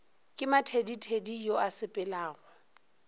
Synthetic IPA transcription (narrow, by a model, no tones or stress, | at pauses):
kʼɪmatʰeditʰedijoasɪpʼɛlaːɣwa